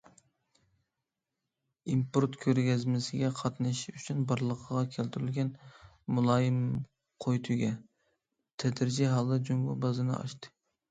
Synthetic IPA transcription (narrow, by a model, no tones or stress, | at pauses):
impoɾt̪kʲʰøɾɡʲɛzmɪsɪɡʲɛqʰɑt̪nɨʃyt͡ʃʰynbɑɾlˠəqʰəʁɑkʲʰælt̪yɾylɡʲɛn | mulˠɑːjɪm | qʰojt̪ʰuɡʲɛ | t̪ʰɛd̪ɾɪd͡ʒiɦɑlˠɨd͡ʒuŋɡʊ̰bɑzɨnɨ̰ɑ̰ʃt̪ɨ̥